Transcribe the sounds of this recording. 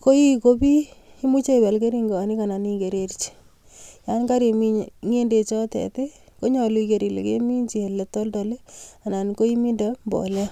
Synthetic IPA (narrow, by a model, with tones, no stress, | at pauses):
ko˦i˦ko˦pi˦ | i˦mu˦t͡ʃe˦i˨wɛ˨lke˦ɾi˦ŋɡo˨a˨ni˦ka˨na˨ni˦ke˨ɾe˨ɾt͡ʃi̥˨ | ja˦nka˦ɾe˨mi˦ɲŋe˦nde˨t͡ʃɔ˦tɛ̰˨te˦ | ko˦ɲɔ˨lu˦ike˨ɾi˨lḛ˨kḛ˦mi˦ɲt͡ʃi˨e˨le˨tɔ˦ltɔ˨le˦a˨na˨nko˦i˦mi˦nda˦mbɔ̰˨lɛ˦